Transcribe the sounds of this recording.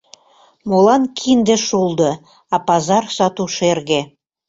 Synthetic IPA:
molɑnkʰind̪ĕʃulˠd̪ɤ̆ | ɑpɑzɑrsɑt̪uʃerɣĕ

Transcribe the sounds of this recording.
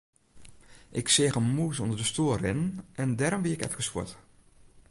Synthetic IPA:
ʔɪksɪəɣəmuəsɔndərdəstoərɪnənɛndɛɾɔmbiəɪkɛ̰fkəswo̰t

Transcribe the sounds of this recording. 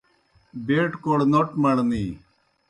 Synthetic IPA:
beːʈkoɽnoʈmɐɽniː

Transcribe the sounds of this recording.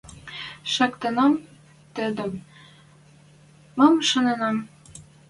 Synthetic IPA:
ʃɑkt̪ɤ̆nɑm | t̪ɘ̆d̪ɘ̆m | ɤmʃɤ̆nɤ̆nɑm

